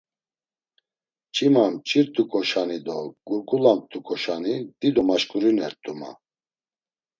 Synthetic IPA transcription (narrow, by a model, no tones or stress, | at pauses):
t͡ʃʼimamt͡ʃʼiɾt̪ʼukʼɔʃanid̪ɔɡ̥uɾkʼulamt̪ʼukʼɔʃanid̪̥id̪ɔmaʃkʼuɾinɛɾt̪ʼuma̰